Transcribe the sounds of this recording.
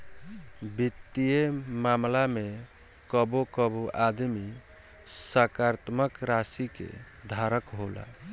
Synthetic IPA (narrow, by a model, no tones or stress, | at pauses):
bit̪ːiemamlame | kəbokəboʔad̪mi | səkaɾt̪məkɾasikḛ | d̪ʱaɾəkɦola̰